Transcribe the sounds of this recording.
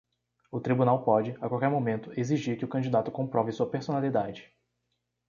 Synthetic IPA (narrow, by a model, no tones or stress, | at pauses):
ʊt̪ɾibunawpɔd͡ʒɪakawkɛɾmomẽnt̪ʊeziʒiɾkɪʊkɐ̃d͡ʒid̪at̪ʊkõmpɾɔvɪsuɐpeɾsonalid̪ad͡ʒɪ